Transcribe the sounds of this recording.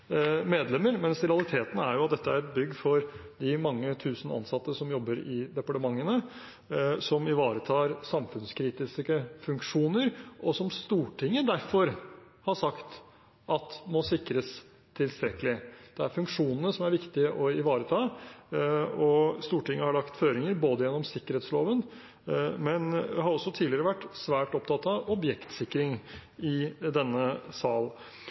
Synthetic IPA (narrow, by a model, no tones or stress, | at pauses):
meːd̪lɛmːəɾmɛnsɾɛɑlˠɪt̪ʰeːt̪n̩æ̰ɾjʊɑt̪̚d̪ɛt̪ːəæɾɛt̪̚bʏɡːfɔɾd̪ɪmɑŋːət̪ʰʉːsn̩ɑ̰nsɑt̪ːəsɔmjɔbːəɾɪd̪ɛpɑʈəmɑŋːənə | sɔmɪʋɑːɾət̪ʰɑːɾsɑmfʉnskʰɾiːt̪ɪskəfʉŋkʂuːnəɾʔɔsɔmst̪uːʈʰɪŋːəd̪æɾfɔɾ | hɑʂɑkt̪ | ʔɑt̪mɔsɪkɾəs | t̪ʰɪlst̪ɾɛkəlɪd̪̥ɛæɾfʉŋkʂuːnənəsɔmæɾʋɪkt̪ɪəʔɔɪʋɑːɾət̪ʰɑː | ɔst̪uːʈɪŋːəhɑɭɑkt̪føːɾɪŋəɾboːd̪əjɛnːɔmsɪkːəɾheːt̪sloːʋən | mɛnɦɑɾɔsːɔt̪ʰiːlɪəɾəʋæʈːsʋæːʈɔp̚t̪ʰɑt̪ːɑɔbjɛkt̪sɪkːɾɪŋɪd̪ɛnːəsɑːl